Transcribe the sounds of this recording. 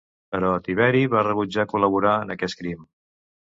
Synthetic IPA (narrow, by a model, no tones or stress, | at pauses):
pəɾɔt̪iβɛɾiβarəβ̞ud͡ʒakuləβuɾaənəkɛskɾim